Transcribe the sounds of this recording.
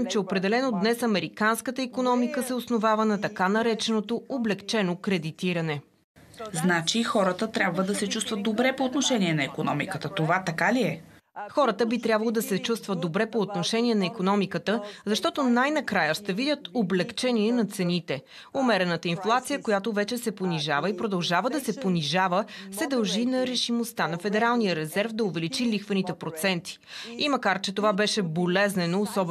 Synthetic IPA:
mt͡ʃɛopɾɛd̪ɛlɛnod̪nɛsɐmɛɾikanskət̪əikonɔmikəsɛosnovavənɐt̪ɐkanɐɾɛt͡ʃɛnot̪ooblɛkt͡ʃɛnokɾɛd̪it̪iɾɐnɛ | znat͡ʃixɔɾət̪ət̪ɾʲabvəd̪ɐsɛt͡ʃust̪vəd̪ːobɾɛpoːt̪noʃɛnʲiɛnɐikonɔ̰mḭkət̪ət̪ovat̪ɐkaliɛ | xɔɾət̪əbit̪ɾʲabvɐlˠod̪ɐsɛt͡ʃust̪vəd̪obɾɛpoːt̪noʃɛnʲiɛnɐikonɔmikət̪əzɐʃt̪ɔt̪onajnɐkɾajəst̪ɛvidʲjət̪oblɛkt͡ʃɛniɛnɐt̪sɛnit̪ɛ | omɛɾɛnət̪əinflˠat̪sijəkojat̪ovɛt͡ʃɛsɛponiʒavəipɾod̪ɐlˠʒavəd̪ɐsɛponiʒavəsɛd̪ɐlˠʒinɐɾɛʃimost̪anɐfɛd̪ɛɾalˠnijəɾɛzɛɾfd̪ɐoʊvɛlit͡ʃilixvənit̪ɛpɾot̪sɛnt̪i̥ | imɐkaɾt͡ʃɛt̪ovabɛʃɛbolɛznɛnoːsɔb

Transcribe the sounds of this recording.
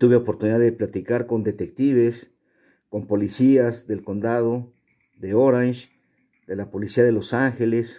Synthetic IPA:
t̪uβeopoɾt̪uniðaðeplat̪ikaɾkond̪et̪ekt̪iβes | kompolisiasðelkond̪aðo | d̪eoɾanʃ | d̪elapolisiaðelosaŋxeles

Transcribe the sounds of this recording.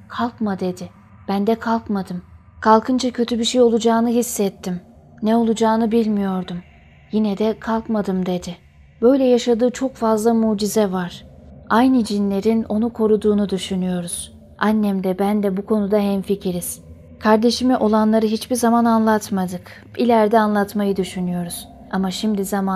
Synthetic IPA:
kʰalˠkmad̪e̞d̪ɪ | b̥ænd̪ɛkʰalˠkmad̪ɯm | kʰalˠkʰɯnd͡ʒacʰø̞t̪ʰybiʃejo̞lˠud͡ʒaːnɯɦisːɛt̪ʰːim | nɛo̞lˠud͡ʒaːnɯbilʲmijo̞ɾd̪um | jinɛd̪ɛkʰalˠkmad̪ɯmd̪e̞d̪ɪ | bø̞jlʲɛjaʃad̪ɯːt͡ʃʰo̞kfazlˠamuːd͡ʒizɛvaɾ̥ajnɯd͡ʒinlʲe̞ɾino̞nukʰo̞ɾud̪uːnud̪yʃynyjo̞ɾuz̥ | ʔanːɛmd̪ɛbænd̪ɛbukʰo̞nud̪aɦɛnficʰiɾiz̥ | kʰaɾd̪e̞ʃimiʔo̞lˠanlˠaɾɯɦit͡ʃbiɾzamananlˠat̪mad̪ɯk | ilʲæɾd̪ɛanlˠat̪majɯd̪yʃynyjo̞ɾuz̥ | amaʃimd̪izama

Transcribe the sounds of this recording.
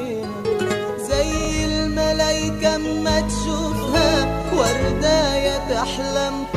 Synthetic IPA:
zajː | ɪlmalajkammat̪ʃʊfha | waɾˤd̪aːjat̪aħlam

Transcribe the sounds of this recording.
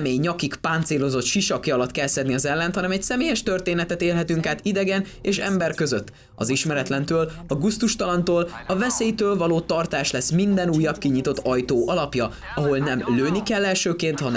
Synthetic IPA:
mɛjɲɒkikpaːnt̪seːlo̞zo̞t̪ʃiʃɒkiɒlɒt̪kɛlsɛd̪niɒzɛlːɛnt̪hɒnɛmɛcsɛmeːjɛʃt̪ø̞rt̪eːnɛt̪ɛt̪eːlɦɛt̪yŋkaːt̪id̪ɛɡɛn | eːʃɛmbɛrkø̞zøt̪ː | ɒziʃmɛɾɛt̪lɛnt̪øːlɒɡust̪uʃt̪ɒlɒnt̪oːlɒvɛseːjt̪øːlvɒloːt̪ɒrt̪aːʃlɛsmind̪ɛnuːjːɒbkiɲit̪o̞t̪ːɒjt̪oːʔɒlɒpjɒ | ɒɦo̞lnɛmløːnikɛlːɛlʃøːkeːnt̪hɒn

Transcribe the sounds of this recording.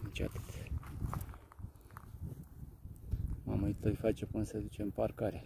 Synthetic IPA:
ɨnt͡ʃa̰t̪ɨ̥t̪ | mamuit̪əjfat͡ʃepɨnsed̪ut͡ʃemparkaɾe

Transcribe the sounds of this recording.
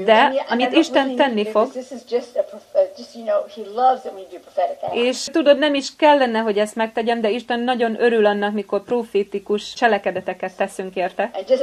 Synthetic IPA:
d̪ɛɒmit̪iʃɛntt̪ːɛnːiffo̞ɡðɪsɨzd͡ʒʌstəpʰɹ̥əd͡ʒʌstjɨnoʊilʌvzɨ̃nwĩbipʰɹ̥əfɛɾɪk̚ʔeːʃt̪ud̪o̞d̪nɛmiʃkɛlːɛnɛɦo̞ɟɛst̪mɛk̚t̪ɛɟɛnd̪ɛiʃt̪ɛnːɒɟo̞nʔø̞ɾylɒnːɒkmiko̞rproːfeːt̪ikuʃt͡ʃɛlɛkɛd̪ɛt̪ɛkɛt̪ːɛsyŋkeːrt̪ɛ̃nd͡ʒʌs

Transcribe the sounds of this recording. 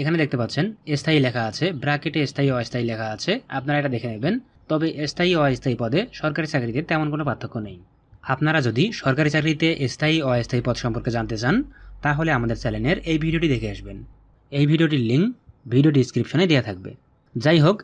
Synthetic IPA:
ekʰaned̪ekʰt̪epat̪ːɕʰenest̪ʰaɦilɛkʰaat͡ɕʰebɾakeʈeest̪ʰaɦiɔest̪ʰaɦilɛkʰaat͡ɕʰea̰pnaɾaeʈad̪ekʰeneben | t̪ɔbeʔest̪ʰaiɔest̪ʰaipɔd̪eʃɔɾkaɾit͡ɕakɾit̪et̪ɛmonkonopat̪ʰːokːonej | apnaɾad͡ʑod̪iʃɔɾkaɾit͡ɕakɾit̪eʔest̪ʰaɦiɔest̪ʰaɦipɔd̪ʃɔmpoɾked͡ʑant̪et͡ɕant̪aɦoleamad̪eɾt͡ɕɛlenɖeɾejbʱiɖioʈid̪ekʰeaʃben | ejbʱiɖioʈiɾliŋkbʱiɖioɖiskɾipʃoned̪ejat̪ʰak̚bḛ | d͡ʑajɦok

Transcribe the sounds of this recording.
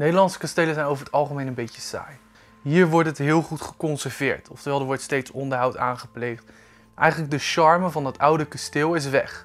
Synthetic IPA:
nejdəlɑntsə̥kɑstejləzɛjnowvəɹətɑlˠχəmejnənbejtəsa̰ːj | ɦiːɹʋɔɹtɦətɦɪːlˠχutχə̥kɔnsɛɹvɪ̰ːɹtɔftəɹʋɛlˠdəɹʋɔɹtstejtsɔndəɹɦʌwtaːnχəplejχt | ʔɛ̰jχənləɡ̚dəʃɑɹməvɑndɑtʌwdəkɑstɪːlˠɪs̬ʋɛ̰χ

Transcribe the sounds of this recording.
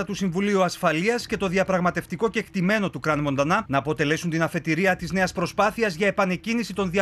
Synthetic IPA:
ɐt̪usiɱvuliuɐsfɐliɐsce̞t̪o̞ðiɐpɾɐɣmɐt̪e̞ft̪iko̞ce̞ːkt̪ime̞no̞t̪ukɾɐnmo̞nd̪ɐnɐnɐːpo̞t̪e̞le̞sunt̪inɐfe̞t̪iɾiɐt̪izne̞ɐspɾo̞spɐθiɐzʝɐe̞pɐne̞cinisit̪o̞nðiɐ

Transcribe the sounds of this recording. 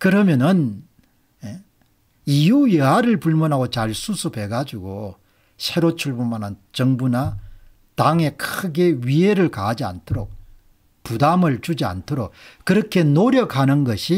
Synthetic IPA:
kɯɾʌmjʌnɯn | e | ijujeaɾɯɭpuɭmʌnɦaɡot͡ɕaɭsʰusʰube̞ɡad͡ʑuɡo | sʰe̞ɾot͡ɕʰuɭbomanant͡ɕʌŋbuna | taŋe̞kʰɯɡeɥieɾɯɭkaɦad͡ʑia̰ntʰoɾok̚ | pudamɯɭt͡ɕud͡ʑia̰ntʰoɾok̚kɯɾʌkʰe̞noɾjʌkʰhanɯnɡʌɕʰi

